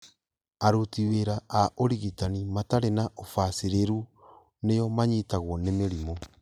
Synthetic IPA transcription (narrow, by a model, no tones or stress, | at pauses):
aɾotiweɾaaʔoɾiɣitanimataɾenaʔofasiɾeɾu | nejɔmaɲitaɣwɔnemeɾimo